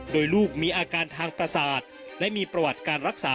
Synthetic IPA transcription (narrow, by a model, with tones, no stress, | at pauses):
doː˧jluː˥˩k̚miː˧ʔaː˧kaː˧nt̪ʰaː˧ŋpɾa˧saː˨˩t̪̚lɛ˦˥ʔmiː˧pɾa˧wa˨˩t̪̚kaː˧nɾa˦˥k̚saː˨˩˦